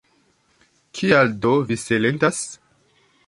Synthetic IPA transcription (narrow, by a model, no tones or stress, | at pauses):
kʰialdoviselentas